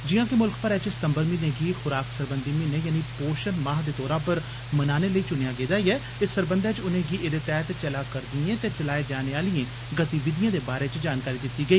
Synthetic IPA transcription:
d͡ʒɪjãːkemʊlkpəɾɛːt͡ʃsɪ̥t̪əmbəɾmĩːnẽːɡiːxʊɾaːksəɾbənd̪iːmĩːnẽːjaːniːpoːʃənmãːɦd̪eːt̪ɔːɾãːpəɾ | mənaːneːləiːt͡ʃʊnejaːɡeːd̪aːiːɛː | ɪsəɾbənd̪ɛːt͡ʃʊnẽːɡiːʔeːd̪eːt̪ɛːt̪t͡ʃəlaːkəɾd̪iẽːt̪eːt͡ʃəlaːeːd͡ʒaːneːaːlɪiẽː | ɡət̪iːʋɪd̪ɪjãːd̪eːbaːɾeːt͡ʃd͡ʒaːnkaːɾiːd̪ɪt̪ːiːɡəiː

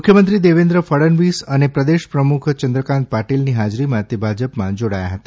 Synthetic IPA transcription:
mukʰjəmənt̪ɾid̪eʋẽnd̪ɾəfəɽənʋisənepɾəd̪eʃpɾəmukʰt͡ʃənd̪ɾəkãnt̪̚paʈilniɦad͡ʒɾimãt̪ebʱad͡ʒəpmãd͡ʒoɽaja̰ɦət̪a

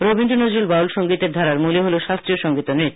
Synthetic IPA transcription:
ɾobinɖonod͡ʑɾilbawlʃoŋɡit̪eɾd̪ʱaɾaɾmuliɦoleʃast̪ɾioʃɔŋɡit̪onit̪

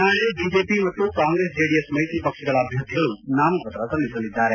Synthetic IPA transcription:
aːɭebiːd͡ʒeːpimɐt̪ːukaːŋɡɾeːsd͡ʒeːɽijesmɐjt̪iːpɐkʂɛɡɐɭɐːbʱjɐɾt̪iɡɐɭunaːmɐɐt̪ɐɾɐsɐlːisɐlːid̪ːaːɾe

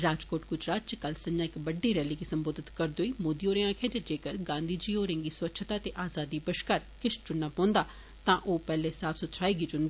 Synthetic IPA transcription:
ɾaːd͡ʒkoːʈ̚ɡʊd͡ʒɾaːt̪̚t͡ʃəkəlsəɲãːɪkbəɖːiːɾɛːliːɡisəmboːd̪ɪt̪kəɾd̪oːiːmoːd̪ioːɾẽãːkʰẽd͡ʒed͡ʒeːkəɾɡãːnd̪ʱiːd͡ʒiːoːɾẽːŋɡiːswətːʃʰt̪aːt̪eːʔaːzaːd̪iːbəʃkaːɾkɪʃd͡ʒʊnːaːpɔ̃ːnd̪aː | t̪ãːʔoːpɛːlesaːpsʊt̪ʃʰaːiɡid͡ʒʊnd̪aː

